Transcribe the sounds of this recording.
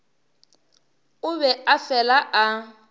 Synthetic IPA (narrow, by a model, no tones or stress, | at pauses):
ʊβɛafɛlaʔa